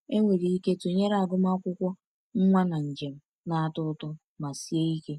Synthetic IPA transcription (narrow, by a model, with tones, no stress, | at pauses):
e˦ŋʷe˨ɾi˨i˦ke˦to˨ɲe˦ɾa˨ɡʊ˦m˦a˦kʷʊ˦kʷɔ˦ | ŋ̩˦ŋʷa˦na˨n̩˨d͡ʒe˨m̩˦ | na˨a˦˨tʊ˦tɔ˦ | ma˨si˦e˦i˦ke˦